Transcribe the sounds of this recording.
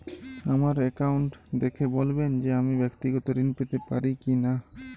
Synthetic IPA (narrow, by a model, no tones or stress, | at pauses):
amaɾɛkawuɳʈd̪ekʰebolbend͡ʒeamibɛkt̪iɡɔt̪oɾinpet̪epaɾikina